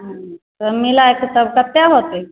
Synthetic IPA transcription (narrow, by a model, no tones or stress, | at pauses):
ɦãt̪əɾmilaekəsəbʈat̪ːjaɦot̪e